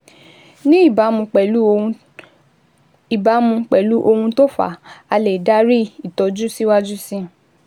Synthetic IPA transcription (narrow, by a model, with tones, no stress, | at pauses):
nĩ˦i˦˨ba˨˦mũ˧k͡pɛ˨lu˦ | i˨ba˨˦mũ˧k͡pɛ˨lu˨˦ʔo˧hũ˧to˦fa̰˦˨a˧le˨da˦ɾi˦i˨tɔ˨d͡ʒu˦si˦wa˦d͡ʒu˦sĩ˦